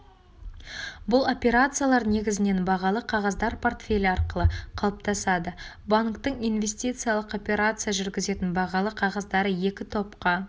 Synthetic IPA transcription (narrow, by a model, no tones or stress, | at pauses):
bʊlˠo̞pʲe̞ɾat̪sɨjalˠɑɾne̞ɡʲɪzɪne̞nbɑʁɑlˠəqʰɑʁɑzd̪ɑɾpʰo̞rt̪fʲe̞lʲɑɾqəlˠəqʰɑlˠəp̚t̪ɑsɑd̪ə | baŋkt̪əɴijnvʲe̞sʲt̪ʲijt̪sɨijalˠəqo̞pʲe̞ɾat̪sɨjaʒʏɾɡʲɪze̞t̪ɪnbɑʁɑlˠəqʰɑʁɑzd̪ɑɾəje̞kʲɪt̪ʰo̞pqɑ